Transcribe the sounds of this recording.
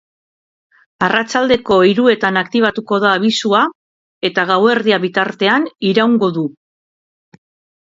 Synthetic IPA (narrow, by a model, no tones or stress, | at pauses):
arat͡ʃald̪e̞ko̞iɾue̞t̪anakt̪iβ̞at̪uko̞ðaːβ̞isua | e̞t̪aɣawe̞ɾðiaβit̪aɾt̪e̞aniɾawŋɡo̞ðu